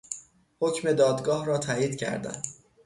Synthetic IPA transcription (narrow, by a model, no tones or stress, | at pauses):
hocme̞d̪ɒːd̪ɡɒːhɾɒːt̪ʰæːiːd̪cʰæ̰ɾd̪æ̰n